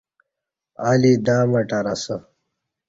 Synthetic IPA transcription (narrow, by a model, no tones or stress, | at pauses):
aːlid̪aːmɐʈaɾɐsə